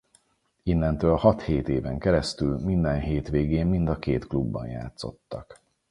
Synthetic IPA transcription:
inːɛnt̪øːlhɒt̪heːt̪eːvɛŋkɛɾɛst̪ylmind̪ɛnɦeːt̪ʋeːɡeːmːind̪ɒkeːt̪klubːɒ̰nja̰ːt̪so̞̰t̪ːɒk

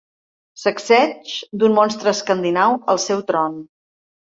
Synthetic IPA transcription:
səksɛt͡ʃd̪unmɔnst̪ɾəːskənd̪inawəlˠsɛwt̪ɾɔn

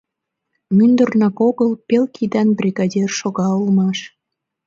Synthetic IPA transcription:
mynd̪ərnɑkoɣəlpelkʰid̪ɑnbrʲiɣɑdʲerʃoɣɑulmɑʃ

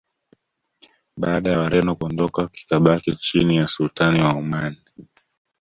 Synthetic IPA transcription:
ɓaːɗajawaɾɛnɔkuɔndɔkaki̥kaɓakit͡ʃinijasultaniwaumani

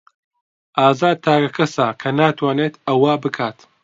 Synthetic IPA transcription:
ʔaːzaːd̪̚t̪ʰaːɡɐkʰɐsaːkʰɐnaːt̪ʰwaːneːt̪ɐwabɨkʰaːt̪

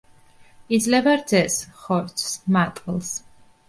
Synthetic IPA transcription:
id̪zlɛvaɾd̪zɛsχɔɾt̪ʰsmat̪ʼqʼlˠs

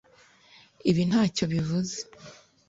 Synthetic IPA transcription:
iβin̥haːco̞βivuze̥

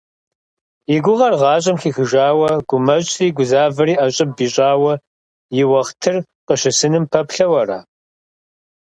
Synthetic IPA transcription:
ɪɡʷʊʁɐrʁɑːɕʼɐmxiːxɨʒaːwɐɡ̥ʷʊmɐɕʼriːɡʷʊzaːvɐɾiːʔɐɕʼɐp̚biːɕʼaːwɐ | jɪwɐχtʰɨr | qəʃɐsɨnɨmpʰɐpɬɐwɐra̰ː

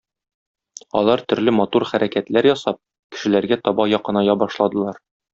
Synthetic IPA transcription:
ɒ̰lˠɑɾt̪ɵ̆ɾlɘmɒt̪uɾχæɾʔækæt̪læɾjɒsɑp̚ | kɘ̥̆ʃɘ̆læɾɡæt̪ɒbɑjɒqɤ̆nɑjɑbɒʃlˠɑd̪ɤ̆lˠɑɾ

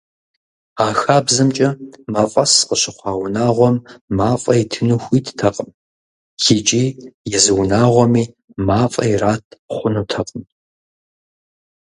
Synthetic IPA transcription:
aːxaːbzɨmt͡ʃʼɐmɐfʼɐsqəɕɪχʷɑːwnaːʁʷɔmːaːfʼɐitʰɨnuxʷiːtʰtʰɐqʼəm | xɪt͡ʃʼiːjɛzɨwnaːʁʷɔmiː | maːfʼɐ̰iraːtʰχʷʊnutʰɐqʼən

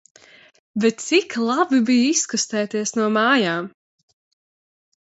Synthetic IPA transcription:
vɛt̪siklˠabibijiskust̪ɛːt̪iɛsnuɔmaːjaːm

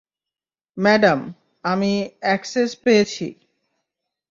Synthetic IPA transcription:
mɛɖam | amiɛksespejet͡ɕʰḭ

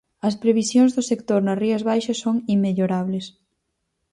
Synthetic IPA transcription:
ɐspɾeβ̞isjoŋzðʊsek̚t̪oɾnɐriɐzβajʃɐsːoŋimːeʎoɾaβles

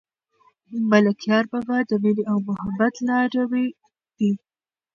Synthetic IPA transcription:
malakijɑɾbabad̪əmɪliawmʊhabat̪lɑɾawe | d̪i

